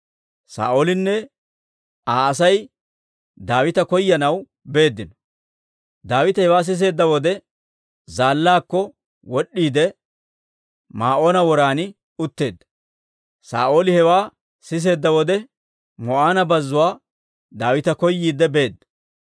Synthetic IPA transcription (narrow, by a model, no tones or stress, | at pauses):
sa̰ːʔoːlɪnːɛ | aːɐsɐj | d̪aːwɪt̪ɐkɔjːɐnɐw | be̞ːd̪ːɪnɔ̥ | d̪aːwɪt̪ɐhɛwaːs̬ɪs̬e̞ːd̪ːɐwɔd̪ɛ | zaːlːaːkːɔ | wɔɗːiːd̪ɛ | maːʔo̞ːnɐwɔɾaːnɪ | ʊt̪ːe̞ːd̪ːɐ̥ | sa̰ːʔo̞ːlɪhɛwaː | sɪs̬e̞ːd̪ːɐwɔd̪ɛ | mɔʔaːnɐbɐzːʊwaː | d̪aːwɪt̪ɐkɔjːiːd̪ɛbe̞ːd̪ːɐ